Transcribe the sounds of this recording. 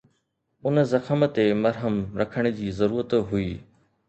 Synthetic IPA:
ʊnzɐxəmt̪emɐɾɦəmɾɐkʰəɽ̃̆d͡ʑiːzɐɾuːɾət̪ɦuiː

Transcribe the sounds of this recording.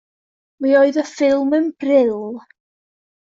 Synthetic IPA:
mioɨðəfɪlˠmənb̥rɪlˠ

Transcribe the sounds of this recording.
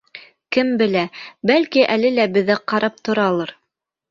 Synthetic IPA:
kɘmbɘ̆læbælkiʔælɘlæbɘ̆ðɘæqɑɾʔɑp̚t̪ŏɾɑlˠɤɾ

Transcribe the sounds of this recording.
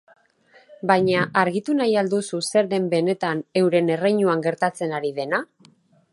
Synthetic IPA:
bajɲaʔaɾɣit̪unajald̪ususe̞ɾðe̞mbe̞ne̞t̪ane̞wɾe̞ne̞rejɲuaŋɡe̞ɾt̪at͡se̞naɾiðe̞na

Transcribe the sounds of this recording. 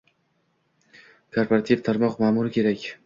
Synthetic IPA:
kʰoɾpaɾat̪ʰivt̪ʰaɾmɒqmaːmʊɾɪkʲʰe̞ɾakʲ

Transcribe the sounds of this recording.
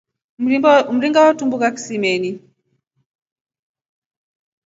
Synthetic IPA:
m̩ɾiŋɡawatumbukaki̥simɛni

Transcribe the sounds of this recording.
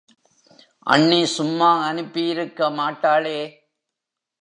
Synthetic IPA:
ʔɐ̰ɳːisʊmːaːɐnɯpːɪjɪɾɯkːɐmaːʈːaːleː

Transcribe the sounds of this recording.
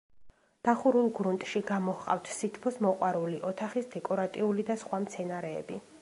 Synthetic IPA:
d̪̥aχuɾulˠɡɾunt̪ʼʃiɡamɔhqʼa̰ft̪ʰsit̪ʰpʰɔsmɔqʼwaɾuliʔɔt̪ʰaχisd̪ɛkʼɔɾat̪ʼiulid̪asχwamt̪sʰɛnaɾɛ̰ːbi

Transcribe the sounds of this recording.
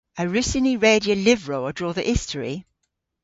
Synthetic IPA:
əɹʉsɪniɹeɪdiəlɪvɹoʊədɹɔːðiʔɪstʰəɹḭ

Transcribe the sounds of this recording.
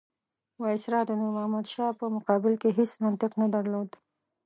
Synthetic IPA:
wɑɪsɾɑd̪ənuɾmahmad̪ʃɑpəmʊqɑbɪlkeɦesmant̪ɪqnad̪aɾlod̪

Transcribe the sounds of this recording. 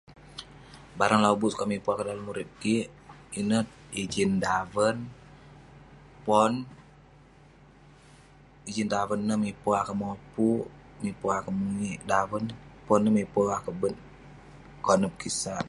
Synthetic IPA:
baɾəŋlabuskaʔmipuakədaləmːuɾɪt̪̚kiʔ | inət̪̚id͡ʒindavən | pɔn | id͡ʒindavənːəmipoakəmopu | mipoakəmuiʔdawənpɔnːəmipoakəbən | kɔnəp̚kisan

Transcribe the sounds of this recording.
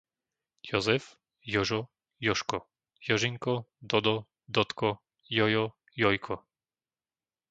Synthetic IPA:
jɔzɛf | jɔʒɔ | jɔʃkɔ | jɔʒiŋkɔd̪ɔd̪ɔ | d̪ɔt̪kɔ | jɔjɔ | jɔjkʰɔ

